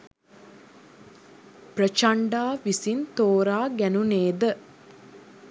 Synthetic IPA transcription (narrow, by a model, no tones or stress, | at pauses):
prət͡ʃaɳɖaːʋisint̪oːɾaːɡænuneːd̪ə